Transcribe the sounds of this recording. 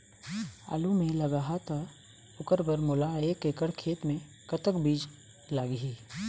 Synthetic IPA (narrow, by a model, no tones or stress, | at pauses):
a̰ːlumẽlɐɡaɦat̪a | ʊkəɾbəɾmʊlaeːkekəɽkʰeːt̪mẽ | kət̪əkbiːd͡ʒ | laːɡiɦiː